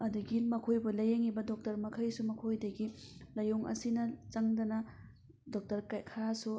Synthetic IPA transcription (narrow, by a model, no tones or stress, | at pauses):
ɐduɡimɐkʰojbulɐjeŋibɐdɔk̚tɐɾmɐkʰɐjsumɐkʰojdɐɡilɐjuŋʔɐ̰sinɐt͡ʃɐŋdɐnɐ | dɔk̚tɐɾkajkʰasu